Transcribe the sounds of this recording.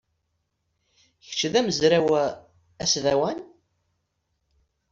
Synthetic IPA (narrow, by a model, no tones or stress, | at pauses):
çə̥t͡ʃːðæməzɾæw | æsðæwæn